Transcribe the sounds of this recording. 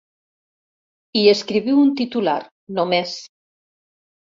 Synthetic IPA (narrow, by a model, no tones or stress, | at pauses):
ieskɾiβiwunt̪it̪ula̰ɾ | nomes